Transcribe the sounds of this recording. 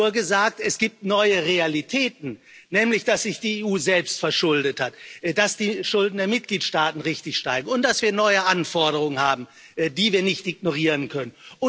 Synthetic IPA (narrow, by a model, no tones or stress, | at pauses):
uɐɡəzaːk̚tɛsɡ̥iːp̚tnɔʏəʁealitʰɛːtn̩ | nɛːmlɪçd̥asz̥ɪçd̥iːeːuːzɛlpstfɛɐʃʊldəthatːd̥asd̥iːʃʊldn̩deːɐmɪt̚ɡ̥liːtʃtaːtn̩ʁɪçtɪçʃtaɪɡŋ̩ʊnt̚d̥asv̥iːɐnɔʏəʔanfɔɐɾəʁ̞ʊŋənhaːbm̩ | diːviːɐnɪçtʔɪɡ̚noʁiːʁənkʰœnənʊ